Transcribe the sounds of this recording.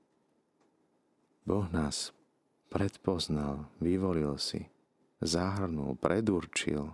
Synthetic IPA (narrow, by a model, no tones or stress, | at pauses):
bɔɣnaːs | pɾɛt̪pɔznalʋiʋɔlilsḭ | zaɦrnṵlpɾʔɛd̪uɾt͡ʃḭl